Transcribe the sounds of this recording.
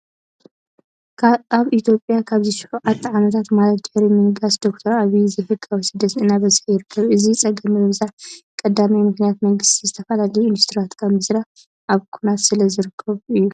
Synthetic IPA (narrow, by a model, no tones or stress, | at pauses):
aβʔit̪ʰjo̞pʼjakʰaβziʃʊ̥ħʕat̪ʰːʕamɐt̪ʰat̪malɐt̪̚d̪̥ɨħɾimɨnɡasd̪o̞k̚t̪ʰɐɾaβizɐfɨkʼːawisɨd̪ːɐt̪ɨnaβɐzħjɪɾɨkʰːɐβʔɨzit͡sʼɐɡɐmɨmɨβzakʼɐd̪amijmɨxnijat̪mɐŋɡɨst̪ʰizɨt̪ʰɐfɐlalɐjuind̪ust̪ʰɾiwat̪kʰɐmɨsɾa | ʔaβkʰunat̪sɨlɐzɨɾɨkʰːɐβuɨjːu